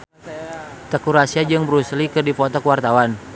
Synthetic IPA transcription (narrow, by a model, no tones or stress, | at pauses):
t̪əkuɾasiad͡ʒɨŋbəɾuslikɨrdipɔt̪ɔkwart̪awan